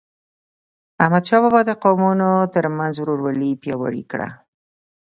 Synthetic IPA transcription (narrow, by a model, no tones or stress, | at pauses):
ahmad̪ʃɑbɑbɑd̪əqowmunot̪əɾmanzwɾoɾwalipjɑwa̰ɽḭkɽa̰